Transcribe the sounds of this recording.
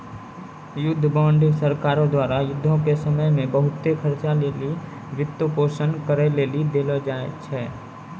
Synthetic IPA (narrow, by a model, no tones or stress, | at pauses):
jʊd̪ʱːbãːɳɖsəɾkaːɾõd̪waːɾajʊd̪ʱːõkesəməjmẽbəɦʊt̪ːekʰəɾt͡ʃaleːli | ʋɪt̪ːəpoːsənkəɾeleːlid̪eːlod͡ʒaːḛt͡ʃʰɛː